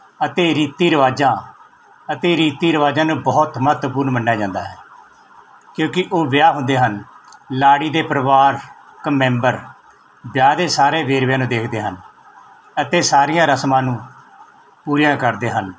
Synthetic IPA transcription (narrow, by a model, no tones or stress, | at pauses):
ət̪eːɾiːt̪iːɾəʋaːd͡ʒãː | ət̪eːɾiːt̪iːɾəʋaːd͡ʒãːnũːbɔːt̪mət̪puːɾnmənːjaːd͡ʒãːnd̪a̰ːɦɛː | kjõːkɪʔoːʋɪjaːɦʊ̃nd̪eːɦən | laːɽiːd̪eːpəɾəʋaːɾ | kəmːɛ̃ːmbəɾ | bjaːd̪eːsaːɾeːʋeːɾʋjãːnũːd̪eːkʰd̪eːɦən | ət̪eːsaːɾɪjãːɾəsmãːnũː | puːɾijãːkəɾd̪eːɦən